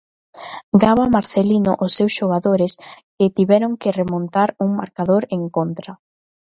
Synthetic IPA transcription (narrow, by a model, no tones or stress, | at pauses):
ɡaβamaɾθelino̰ʔʊsːewsʃoɣ̞aðoɾɪskɪt̪iβɛɾoŋkɪremont̪aɾuŋma̰ɾkaðoɾeŋkont̪ɾa